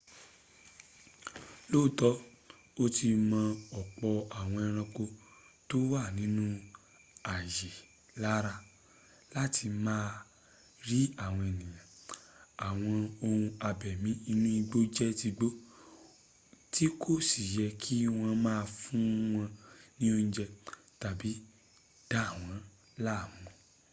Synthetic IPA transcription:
lo˦˨tɔ˦ | o˦tʰi˧mã˧ɔ˨k͡pɔ˧a˨w̃ɔ̃˧ɛ˧ɾ̃ã˧ko˧ | to˦wa˦˨nĩ˨˦nũ˦ | a˨je˨ | la˦ɾa˧ | la˦tʰi˧mãː˦˧ | ɾi˦a˦˨w̃ɔ̃˧e˨nĩ˨j̃ã˨a˨w̃ɔ̃˧o˧hũ˧a˧bɛ˨mĩ˨˦i˧˦nũ˦i˧ɡ͡bo˦d͡ʒɛ˦ti˧ɡ͡bo˦ | ti˦kʰo˦˨si˨jɛ˧kʰi˦w̃ã˧mãː˦˧fũ˦w̃ɔ̃˧nĩ˦o˦˧nĩ˧d͡ʒɛ˧ta˨bi˨˦ | d̥a˦˨w̃ɔ̃˨˦ | la˦˨mɔ̃˨˧˨

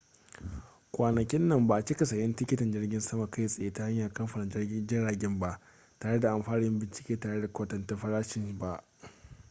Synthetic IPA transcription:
kʷaː˨nɐ˨kʲɪ˦nːɐ˨mba˨ʔt͡ʃi˦kɐ˨sɐ˨jɐ˦ntɪ˦kʲɪ˦tɪ˨nd͡ʒɪ˦rɡʲɪ˦nsɐ˦ma˨ka˦jsʼa˨jeː˦ta˦ha˦ɲjaː˨kɐ˦mɸa˨na˨˦d͡ʒɪ˦ɽaː˨ɡʲɪ˦mba˨ʔ | taː˨ɽe˦da˨ʔa˨mɸaː˦nɪ˦mbɪ˨nt͡ʃɪ̥˨kʲeː˦taː˨ɽe˦da˨kʷo˦tɐ˨nta˦ɸɐ˦ɾaː˦ʃɪ˦˨nba˨ʔ

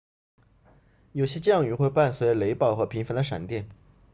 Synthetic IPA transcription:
jo˨˩ʊɕjɛ˥t͡ɕɤ˥˧jɑ˥˩ŋy˧˥xwe˥˧ɪpa˥˩nswle˧˥ɪpɑ˥˩ʊxɤ˧˥pʰi˧˥ŋfə˧˥nd̪ə˧ʂa̰˨˩nt̪jɛ˥˩n

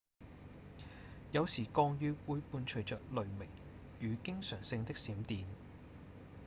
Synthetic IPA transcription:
jɐ˨˧wsiː˨˩kɔː˧ŋjyː˨˧wuː˨˧jpuː˧nt͡ʃʰɵ˨˩ɥt͡ʃœː˨k̚lɵ˨ɥmɪ˨˩ŋ | jyː˨˧kɪ˥ŋsœː˨˩ŋsɪ˧ŋt̪ɪ˥k̚siː˨˥mt̪iː˨˧n

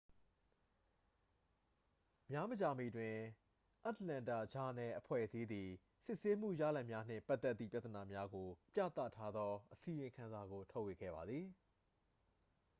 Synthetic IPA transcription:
mja˦mət͡ɕa˨mḭ˦˨dwɪ̃˨ | ʔa˦tlã˨nta̰˦˨d͡ʑa˨nɛ˨ʔəpʰwɛ̰˦˨zi˦d̪i˨ | sɪ˦ʔse˦m̥ṵ˦˨ja̰˦˨lɛ˦ʔmja˦n̥ɪ̰̃˦˨mpa˦t̪ːɛ˦t̪ːḭ˦˨pja˦t̪əna˨mja˦ɡo˨pja̰˦˨t̪a̰˦˨tʰːa˦d̪ɔ˦ʔəsi˨jɪ̃˨ŋkʰã˨nza˨ɡo˨tʰo˦ʊwe˨ɡɛ̰˦˨ba˨d̪ði˨

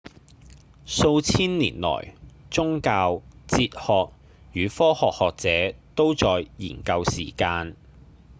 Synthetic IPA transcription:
so˧wt͡sʰiː˥nlḭː˨˩nlɔ̰ː˨˩jt͡sʊ˥ŋkaː˧wt͡siː˧t̚hɔː˨k̚ | jyː˨˧fɔː˥hɔː˨k̚hɔː˨k̚t͡sɛː˨˥t̪o˥wt͡sɔː˨jjḭː˨˩nkɐ˧wsḭː˨˩kaː˧n

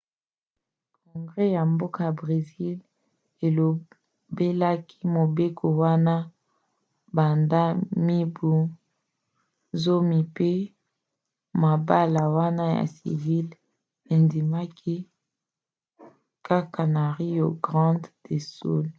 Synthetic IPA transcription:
kɔ˨ŋɡʁɛ˦ja˨mbo˦ka˦˨ja˨bʁe˨zi˦l | e˨lo˨ | be˦la˦ki˦mo˨be˦kʰo˨wa˦na˦ | ba˨nda˦mi˦bu˦ | zo˦mi˨pe˦ | ma˨ba˦la˨wa˦na˦ja̰˨sḭ˨vi˦l | e˨ndi˨ma˦kʰi˦ | ka˦ka˨na˨ʁi˦jo˨ɡʁɑ̃˦dde˨sso̰˦l

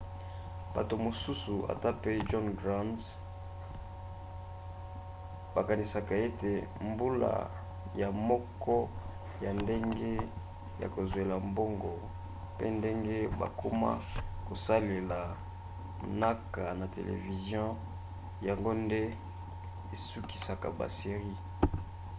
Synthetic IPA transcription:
b̥a̰˨to˨mo˨su˦su˨a̰˨ta˦pe˦d͡ʒɔ˦nɡʁa˦ns | ba˨ka˨ni˨sa˨ka˨e˦te˨mbu˦la̰˨ | ja˨mɔ˦kɔ˦ | ja˨nde˦ŋɡe˦ | ja̰˨ko˨zwe˨la˨mbo˦ŋɡɔ˨ | pḛ˦nde˦ŋɡe˦ba̰˨ko˦ma̰˦ko˨sa˦le˨la˨ | na˦ka˨na˨tḛ˨lʔḛ˨vi˨zjɔ̃˦ | ja˨ŋɡo˦nde˦ | e˨su˦ki̥˨sa˨ka̰˨ba̰˨se˨ʁi˦

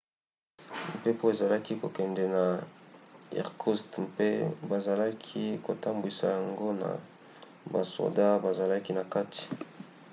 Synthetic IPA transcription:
m̩˨pe˦po˦e˨za˨la˦ki˦ko˨kɛ˨ndɛ˨na˨ | ḭ˨ʁkʰu˦stpe˦ba˨za˨la˦kʰi˦ko˨ta˦mbi˨sa̰˨ja˨ŋɡo˦na̰˨ | ba̰˨so̰˨da˦ba˨za˨la˦ki˦na˨ka˦ti̥˨

